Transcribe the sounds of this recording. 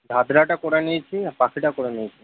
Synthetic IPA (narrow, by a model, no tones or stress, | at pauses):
d̪ʱad̪ɾaʈakoɾenejt͡ʃʰiapakʰiʈakoɾenijt͡ʃʰi